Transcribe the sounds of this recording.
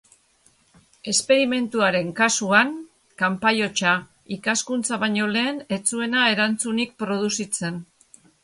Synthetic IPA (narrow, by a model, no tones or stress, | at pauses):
e̞spe̞ɾime̞nt̪uaɾe̞ŋkasuaŋ | kampajo̞t͡ʃa | ikaskunt͡saβaɲo̞le̞ːne̞t͡sue̞nae̞ɾant͡sunik̚pɾo̞ð̞usit͡se̞n